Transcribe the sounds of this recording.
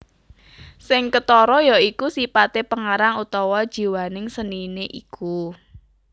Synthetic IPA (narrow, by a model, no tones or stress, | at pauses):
sɪŋkət̪ɔɾɔjɔikusipat̪epəŋaɾaŋut̪ɔwɔd̥ʒ̥i̤wanɪŋsənineʔḭku